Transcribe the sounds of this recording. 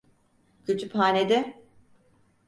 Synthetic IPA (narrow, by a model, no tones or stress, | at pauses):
cʰyt̪ʰypɦaːned̪ɪ